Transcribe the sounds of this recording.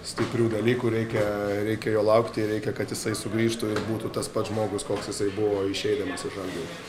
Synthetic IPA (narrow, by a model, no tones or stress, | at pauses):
sʲt̪ʲɪpʲɾʲuːd̪ɐlʲiːkuːɾʲɛɪkʲɛɾʲɛɪkʲɛjoːlˠɐʊkt̪ʲɪɾʲɛɪkʲɛkɐt̪jɪsɐɪsʊɡɾʲiːʃt̪ʊɪrbuːt̪uːt̪ɐspɐt̪ʒmoːɡʊskoːksjɪsɐɪbʊʋoːɪʃʲɛɪd̪ɐmɐsɪʒɐlʲd̪ʲiː